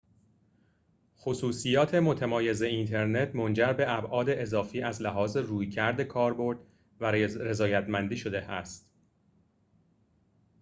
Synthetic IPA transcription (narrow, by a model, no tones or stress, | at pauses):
xosuːsijɒːt̪ʰe̞mo̞t̪ʰemɒːje̞ze̞int̪ʰe̞ɾne̞t̪ʰmo̞nd͡ʒæɾbe̞ʔæbʔɒːd̪e̞ʔezɒːfiːʔæzlæɦɒːze̞ruːjcʰæɾd̪e̞kʰɒːɾbo̞ɾd̪̥ | væɾe̞zɒːjæt̪mænd̪iːʃo̞d̪e̞æst̪